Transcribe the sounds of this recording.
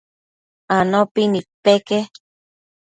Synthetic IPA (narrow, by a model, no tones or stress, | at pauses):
anopinik̚peke